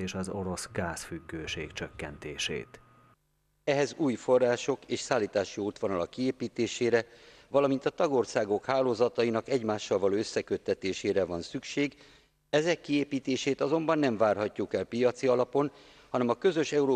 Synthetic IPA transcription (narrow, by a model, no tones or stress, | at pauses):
eʃɒzoɾo̞sɡaːsfyɡːøːʃeːkt͡ʃøkːɛnt̪eːʃḛːt̪ | ɛɦɛzuːjfo̞rːaːʃo̞keːʃsaːlːiːt̪aːʃioːt̪ʋonɒlɒkːieːpiːt̪eːʃeːɾɛ | vɒlɒmint̪ɒt̪ɒɡo̞rsaːɡo̞khaːloːzɒt̪ɒjinɒkɛɟmaːʃːɒlvɒloːøsːɛkø̞t̪ːɛt̪eːʃeːɾɛvɒnsykʃeːɡ | ɛzɛkːieːpiːt̪eːʃeːt̪ɒzo̞mbɒnːɛɱvaːrɦɒcːukɛlpijɒt̪siɒlɒpo̞n | hɒnɛmɒkø̞zø̞ʃɛuɾoː